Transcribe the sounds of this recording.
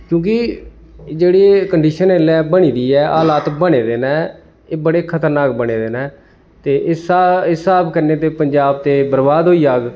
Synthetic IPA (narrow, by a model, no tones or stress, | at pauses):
kjõːkɪ | d͡ʒeːɽiːkəɳɖiːʃəneːlɛːbəɽ̃iːd̪iːɛːʔaːlaːt̪bəɽ̃eːd̪eːnɛ̃ː | eːbəɽeːkʰət̪əɾnaːk̚bəɽ̃eːd̪eːnɛː | t̪eːʔsɪsaːbkəɾneːt̪eːpəɲd͡ʒaːb̚t̪eːbəɾbaːd̪ɦoːiːaːɡ